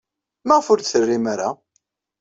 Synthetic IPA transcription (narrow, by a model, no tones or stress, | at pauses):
məʁfʊɾθθərːimaɾa